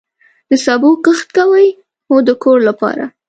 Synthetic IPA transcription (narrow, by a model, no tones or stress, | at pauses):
d̪əsɑboqəxt̪kawəj | od̪əkoɾlapɑ̰ɾa̰